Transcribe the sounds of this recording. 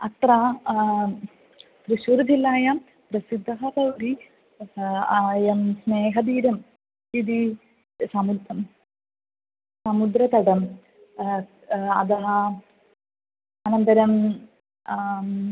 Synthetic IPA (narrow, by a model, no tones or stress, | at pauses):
ɐt̪ɾa | pɾuʃuɾɐd̪ʱilːaːjam | pɾɐsid̪ʱːɐɦɐpɐwɾi | jɐmsneːɦɐd̪iːɾɐm | id̪i | sɐmud̪ɐ | sɐmud̪ɾɐt̪ɐɽɐm | ɐ̰d̪ɐɦɐ | ɐnɐnt̪ɐɾɐm